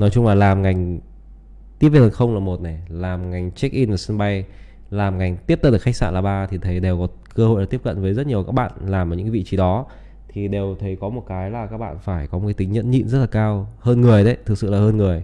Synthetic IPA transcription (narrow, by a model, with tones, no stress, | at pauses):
nɔ˨˦jt͡ɕʊ˧ŋ͡mlaː˨˩laː˨˩mŋa˨˩jŋ̟ | t̪i˦˥əp̚ve˧˩ə˨˩xə˧wŋ͡mlaː˨˩mo˨˩t̚na˨˩jlaː˨˩mŋa˨˩jŋ̟t͡ɕɛ˦˥k̚ʔi˧nvaː˨˩sə˧nɓa˧j | laː˨˩mŋa˨˩jŋ̟t̪i˦˥p̪̚ə˧nɗɨ˨˩xa˦˥ksa̰ː˧˩nlaː˨˩ɓaː˧t̪ʰi˨˩t̪ʰə˨˦jɗe˨˩wkɔ˨˦ | kəː˧ho̰˧˨jlːi˦˥əp̚kə̰˧˨nvəː˨˦jzə˦˥t̚ɲi˨˩əwkaː˦˥k̚ɓa̰ː˧˨nlaː˨˩mʔaː˨˩ɲɨ̰˧˥kːa˨˦vḭ˧˨t͡ɕi˨˦ɗɔ˨˦ | t̪ʰi˨˩ɗe˨˩wt̪ʰə˨˦jkɔ˨˦mo˨˩kaː˨˦jlaː˨˩kaː˦˥k̚ɓa̰ː˧˨nfaː˧˩jkɔ˨˦m˨˩ka˨˦t̪ï˨˦ŋ̟ɲə̰˧˥nɲḭ˧˨nzə˦˥t̚laː˨˩kaː˧whəː˧nŋɨ˨˩əjɗə˨˦jt̪ʰɨ˨˩k̚sɨ̰˧˨laː˨˩həː˧nŋɨ˨˩əj